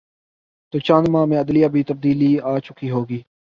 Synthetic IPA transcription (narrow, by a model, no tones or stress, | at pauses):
t̪oːt͡ʃãːnmãːmẽːəd̪lijaːbʱiːt̪əb̚d̪iːliːaːt͡ʃʊkiːɦoːɡiː